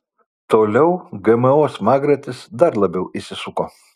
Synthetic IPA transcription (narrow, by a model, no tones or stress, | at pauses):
t̪oːlʲɛʊɡɛmɛoːsmɑːɡɾʲɐt̪ʲɪsd̪ɐɾlˠɐbʲɛʊʔisʲɪsʊkoː